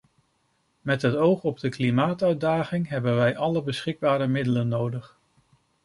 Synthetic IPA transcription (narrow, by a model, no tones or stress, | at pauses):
mɛtɦətowχɔb̚dəklimaːtœɥdaːχɪŋɦɛbənʋɛjʔɑləbəsχɪɡ̚baːɾəmɪdələnːowdəχ